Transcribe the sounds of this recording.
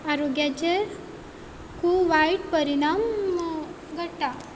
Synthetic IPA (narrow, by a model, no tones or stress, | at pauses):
aɾoɡjat͡ɕe | kʰuʋaiʈpəɾiɽ̃am | ɡʱəʈːa